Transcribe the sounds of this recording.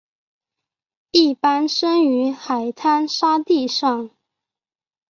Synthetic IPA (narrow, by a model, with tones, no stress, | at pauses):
i˥˩pa˥nʂə˥ŋy˧˥xa˨˩ɪt̪ʰa˥nʂa˥t̪i˥˧ʂɑ˥˩ŋ